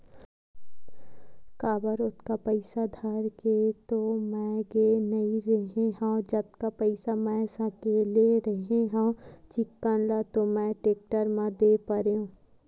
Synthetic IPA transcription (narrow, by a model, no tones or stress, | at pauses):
kaːbəɾʊt̪kapəɪsad̪ʱəɾket̪omɛ̃ɡenɐĩɾɐɦeɦãd͡ʒɐt̪kapəɪsamɛ̃sãkeleɾəɦeɦãt͡ʃɪkːənlat̪omɛ̃ʈeːk̚ʈəɾmãd̪epəɾeũː